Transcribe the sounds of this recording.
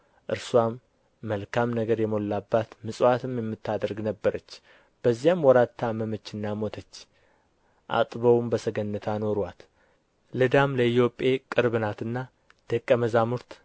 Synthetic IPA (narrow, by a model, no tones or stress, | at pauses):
ʔɨɾswamː | əlkʰamnəɡəɾjɛmo̞lːabːat̪mɨsʼat̪ʰɨmjɛmːɨt̪ːad̪əɾɡnəbːəɾət͡ʃː | b̥əzːijamwɔɾat̪ʰːaməmət͡ʃːɨnːamo̞t̪ʰət͡ʃː | ʔa̰t̪ʼβəwmbəsəɡənːət̪ʰano̞ɾwat̪ | lɨd̪amləit̪jo̞pʼːe̞kʼɨɾβɨnat̪ɨnːa | d̪̥əkʼːəməzamuɾt̪